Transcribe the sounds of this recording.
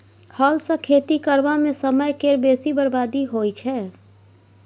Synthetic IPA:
həlsə̃kʰeːt̪ikəɾʋamẽsəməjkeɾbesibəɾbaːd̪iɦojt͡ʃʰɛː

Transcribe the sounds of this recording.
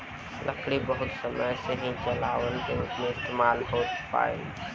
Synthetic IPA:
lʔəkʰɽibəɦʊt̪səməjseɦĩt͡ʃəlaːʋənkeupmeɪst̪eːmaːlɦoːt̪pa̰ːḛ

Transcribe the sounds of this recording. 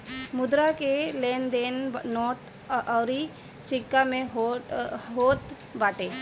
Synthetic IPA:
mʊd̪ɾakeleːnd̪ennɔːʈ | ɔːɾi | sɪkːamẽ | ɦoːt̪ | baːʈeː

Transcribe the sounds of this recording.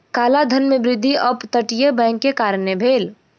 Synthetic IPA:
kaːlad̪ʱənmebɾɪd̪ʱːiʔəpt̪əʈijebɛ̃ŋkːekaːɾənebʱeːl

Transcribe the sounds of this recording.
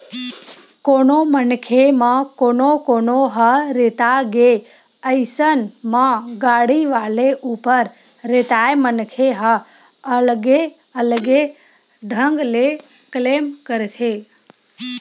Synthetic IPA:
konomənkʰemãkonokonoɦəɾet̪aɡe | əjsənmãɡaɽiʋaleʔupəɾː | et̪aemənkʰeɦə | əlɡe | əlɡe | ɖʱəŋɡle | klemkəɾet̪ʰe

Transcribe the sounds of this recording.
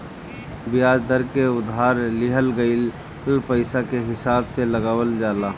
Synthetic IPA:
bɪjaːd͡ʒd̪əɾkeʊd̪ʱaːɾlɪɦəlɡəɪl | lpəɪsakeɦɪsaːbseləɡaːwəld͡ʒaːla

